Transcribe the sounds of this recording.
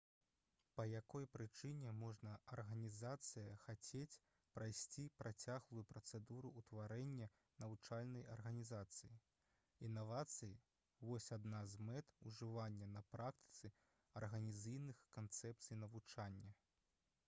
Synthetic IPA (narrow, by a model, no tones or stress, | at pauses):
pɐjakɔjpɾɨt͡ʂɨnʲɛmɔʐnɐɐrɣɐnʲizat̪sɨjɐxat͡sʲet͡sʲ | pɾʔajsʲt͡sʲipɾʔat͡sʲaɣlˠujupɾɐt̪sɛd̪uɾuːt̪vaɾɛnʲːɐ | nɐvut͡ʂalʲnɐjɐ̰rɣɐnʲizat̪sɨji | inːavat̪sɨji | vɔsʲad̪nazmɛt̪uʐɨvanʲːɐnɐpɾak̚t̪ɨ̥t̪sɨ | ɐrɣɐnʲizɨjnɨxkant̪sɛp̚t̪sɨjnɐvut͡ʂanʲːɐ